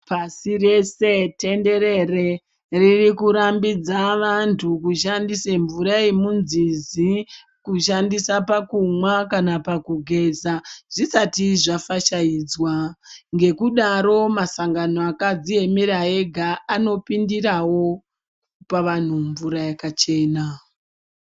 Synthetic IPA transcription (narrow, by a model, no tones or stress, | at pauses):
pasire̞se̞te̞nde̞ɾe̞re | ririkuɾambid͡zaʋantʰukuʃandiseɱvuɾaemunzizi | kuʃ̬andisapakumwakanapakuɡʱe̞zaʐ̥isatiʐafaʃaiːd͡zwaŋɡe̞kuɗaɾo̞masaŋɡano̞akad͡zie̞miɾae̞ɡʱaano̞pindirawo̞ | paʋan̤uɱvuɾajakat͡ʃe̞ːna